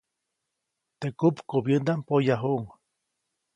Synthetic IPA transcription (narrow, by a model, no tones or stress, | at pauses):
t̪ekupkobjənd̪ampojaɦuʔuŋ